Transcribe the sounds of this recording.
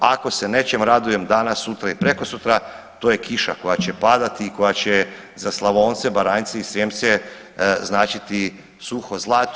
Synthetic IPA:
ako̞se̞ne̞t͡ɕemɾad̪uje̞md̪anasːut̪ɾaipɾeko̞sut̪ɾa | t̪oːje̞kiʃa̰ko̞jat͡ɕe̞pad̪at̪iːko̞jat͡ɕe | zaslˠaʋo̞ːnt̪sebaɾaːnt̪seisɾeːmt̪se | znaːt͡ʃit̪i | suxo̞zlˠaːt̪

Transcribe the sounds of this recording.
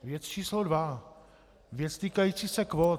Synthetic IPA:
vjɛt͡st͡ʃiːslodva | vjɛt͡st̪iːkajiːt͡siːsɛkvo

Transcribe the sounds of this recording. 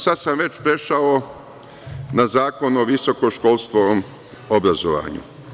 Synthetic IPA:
sad̪samʋe̞t͡ɕpɾe̞ʃao | nazaːko̞noʋiso̞ko̞ʃkolˠst̪ʋom | obɾazoʋa̰ːɲṵ

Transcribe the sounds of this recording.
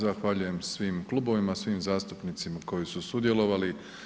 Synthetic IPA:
zaxʋaʎuje̞msʋiːmklˠuːbo̞ʋimasʋiːmzaːst̪upnit̪simako̞jisusud̪je̞lo̞ʋali

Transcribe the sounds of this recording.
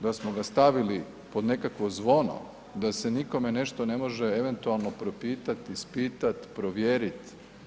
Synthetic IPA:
d̪asmoɡast̪aʋili | po̞d̪ne̞kakʋozʋo̞no̰ | d̪ase̞niko̞me̞ne̞ʃt̪o̞ne̞mo̞ʒeeʋe̞nt̪ualˠnopɾo̞piːt̪at̪ispiːt̪at̪pɾoʋjeːɾit̪

